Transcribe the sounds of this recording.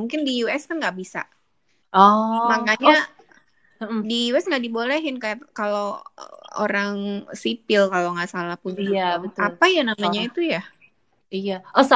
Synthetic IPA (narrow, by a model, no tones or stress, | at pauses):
muŋkɪndijuɛskanɡaʔbisa̰ | ɔmakaɲa | dijuɛsŋɡaʔdibolɛɦɪnkajakalo̰ | o̰ɾaŋsipɪlkaloŋɡaʔsalahpunabət̪alpajanamaɲait̪uja | ijaɔsa